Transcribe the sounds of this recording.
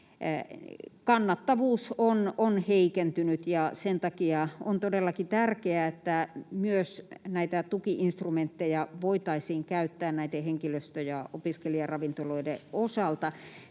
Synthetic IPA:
kɑnːɑt̪ːɑʋuːsononheikent̪ynyt̪jɑsent̪ɑkiɑont̪odelːɑkit̪ærkeæet̪ːæmyøsnæit̪æt̪ukiʔinst̪rument̪ːejɑʋoit̪ɑisiːŋkæyt̪ːæːnnæit̪eheŋkiløst̪øjɑopiskeliɑrɑʋint̪oloideosɑlt̪ɑ

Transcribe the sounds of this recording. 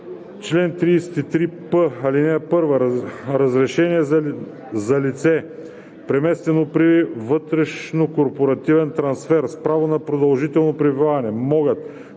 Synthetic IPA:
t͡ʃlɛnt̪ɾiːsɛ̥t̪it̪ɾipəɐlinɛpɤɾvɐɾɐzɾɛʃɛniɛ | zɐlit̪sɛ | pɾɛmɛst̪ɛnopɾivɤt̪ɾɛʃnokoɾpoɾɐt̪ivɛnt̪ɾɐnsfɛɾspɾavonɐpɾod̪ɐlˠʒit̪ɛlˠnopɾivivaɐnɛmɔɡət̪

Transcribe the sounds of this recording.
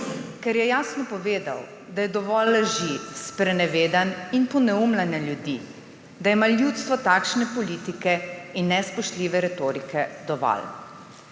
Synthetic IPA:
kɛɾjɛjaːsnɔpɔʋeːd̪a̰w | d̪ajɛd̪ɔʋɔlːəʒispɾɛnɛʋeːd̪aninpɔnɛumlanjaljud̪i | d̪ajɛmaljut̪st̪ʋɔt̪akʃnɛpɔliːt̪ikɛinːɛspɔʃt̪liːʋɛɾɛt̪oːɾikʰɛd̪ɔʋɔ̰l

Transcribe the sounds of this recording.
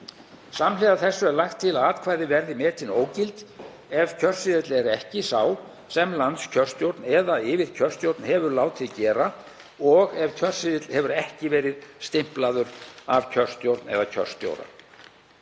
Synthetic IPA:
samlɛɣaθɛsːʏɛɾlajxt̪ʰːɪlaːt̪kʰvaːjðɪvɛɾðɪmɛːt̪ʰɪnoːwcɪlt̪ | ɛv̥cʰœr̥sɪðɪt̪lɛɾɛhcɪsaːw | sɛmlant̪scʰœr̥st̪jowɾt̪nɛːðaɪːvɪɾ̥cʰœr̥st̪jowɾt̪nhɛvʏɾlaːwt̪ʰɪcɛːɾa | ɔɣɛv̥cʰœr̥sɪðɪt̪l̥hɛvʏɾɛhcɪvɛːɾɪðst̪ɪm̥plaðʏɾavcʰœr̥st̪jowɾt̪nɛ̰ðacʰœ̰r̥st̪jo̰wɾa̰

